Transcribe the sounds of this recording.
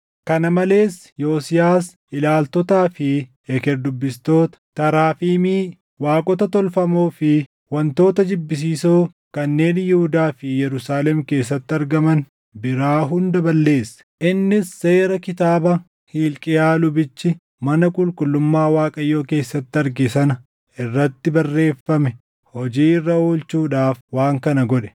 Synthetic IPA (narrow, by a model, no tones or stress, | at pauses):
kɐnɐmɐle̞ːs | joːsɪjaːs | ʔɪlaːlt̪ɔt̪aːfɪ | ɛkɛɾd̪ʊbːɪst̪o̞ːt̪ɐ̥t̪ɐɾaːfiːmiː | waːkʼɔt̪ɐt̪ɔlfɐmoːfɪ | wɐnt̪o̞ːt̪ɐd͡ʒɪbːɪs̬iːsoː | kɐnːe̞ːnjɪhʊd̪aːfɪjɛɾʊsaːlɛmke̞ːs̬ːɐt̪ːɪɐɾɡɐmɐn | bɪɾaːɦʊnd̪ɐbɐlːe̞ːsːɐ̥ʔɪnːɪsːe̞ːɾɐkɪt̪aːbɐ | hiːlkʼɪjaːlʊbɪt͡ʃːɪ | mɐnɐkʼʊlkʼʊlːʊmːaːwaːkʼɐjːo̞ːke̞ːsːɐt̪ːɪɐɾɡɪsɐnɐ | ɪrːɐt̪ːɪbɐrːe̞ːfːɐmɛ | hɔd͡ʒiːɪrːɐoːlt͡ʃuːᶑaːfwaːŋkɐnɐɡɔᶑɛ̥